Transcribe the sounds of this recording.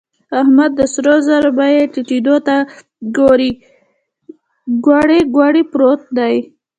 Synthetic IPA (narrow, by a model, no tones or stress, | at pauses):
ahmad̪ːəsɾozaɾbajeʈiʈid̪ot̪a | ɡoɾi | ɡwɑɽeɡwɑɽipɾot̪̚d̪aj